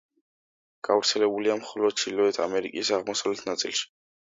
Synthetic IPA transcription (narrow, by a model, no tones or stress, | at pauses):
ɡ̥avɾt̪sʰɛlɛbuliamχɔlɔd̪̥̚t͡ʃʰilɔɛt̪ʰa̰mɛɾikʼisaʁmɔsawvlɛt̪ʰnat̪sʼḭlˠʃi̥